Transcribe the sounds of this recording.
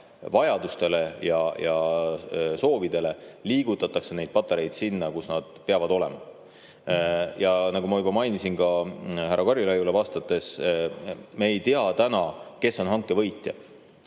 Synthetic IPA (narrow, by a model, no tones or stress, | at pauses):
vɑjɑd̪̥ust̪e̞le̞jɑjɑ | so̞ːvid̪̥e̞le̞liːɡ̥ut̪ːˑɑt̪ːˑɑkse̞ne̞jd̪̥̚pɑt̪ːˑeɾe̞jd̪sinːɑkusnɑd̪̥̚peɑvɑd̪̥o̞lɛ̞̰mɑ̰ | jɑnɑɡumɑjubɑmɑjnisinkɑɦæɾːɑkɑrjilɑjulevɑːst̪ɑt̪ːˑe̞s | meːjt̪iɑt̪ænɑke̞sːo̞nɦɑŋkːˑe̞vɤ̞jt̪ːˑjɑ̰